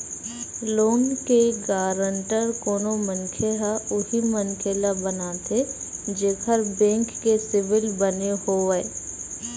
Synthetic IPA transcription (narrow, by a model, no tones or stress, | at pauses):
loːnkeɡaːɾəɳʈəɾkoːnomənkʰelaʊɦimənkʰeːlabənat̪ʰe | d͡ʒeːkʰəɾbẽːŋkːesɪʋɪlbənehoʋɛ